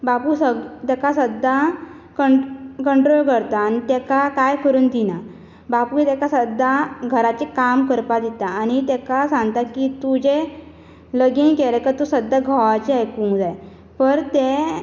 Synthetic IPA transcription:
bapusət̪akasəd̪a | kəkəɳʈɾolkəɾt̪aːñit̪ɛkakajkʰəɾuːnd̪ina | baput̪akasəd̪ːaɡʱəɾat͡ɕekamkəɾpad̪it̪aːñit̪ɛkasãŋɡt̪akit̪ud͡ʑe | ləɡinkɛɾəkət̪usəd̪ːaɡʱɔʋat͡ɕeajkuŋd͡zaj | pəɾt̪e

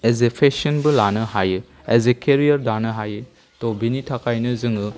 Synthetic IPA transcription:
ezepʰesɔnbɯlanɯhajɯ | ezekʰeɾijɐɾdanɯɦajɯ | tobinitʰakʰajnɯzɯŋɯ

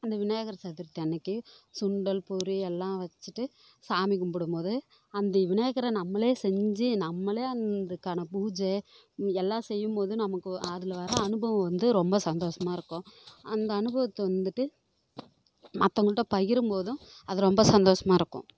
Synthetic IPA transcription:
ɐnd̪ɐʋɪnɐjɐɣɐɾɐsɐðɪɾt̪ːɛnːɐkːɯsʊɳɖɐlpʊɾiɛlːãːʋɐt͡ʃːɯʈːɯ | saːmɪkːɯmpɐɽɯmpoːðɯ | ɐnd̪ɐʋɪnɐjɐɣɐɾɐnɐmːɐleːsɛɲd͡ʒɯnɐmːɐleːɐnd̪ɯkːaːnɐpuːd͡ʒe | ɛlːãːsɛjːɯmpoːðɯ̃nɐmɐkːɯɐðɪlɐʋɐɾɐɐɳɯbɐʋɐ̃ʋɐnd̪ɯɾɔmbɐsɐnd̪oːʂɐmaːɪɾɯkːʊ̃ɐnd̪ɐːnɯbɐʋɐt̪ːɐʋɐnd̪ɯʈːɯ | mɐt̪ːɐŋɡɐɭʈːɐ̃pɐɣɪɾɯmpoːðʊ̃ɐðɯɾɔmbɐsɐnd̪oːʂɐmaːɪɾɯkːʊ̰̃

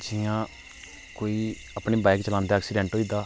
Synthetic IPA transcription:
d͡ʒɪjãː | koːiː | apɳiːbaːɪkt͡ʃəlãːnd̪aːɛːksiːɖɛ̃ːɳʈɦoːiːd̪aː

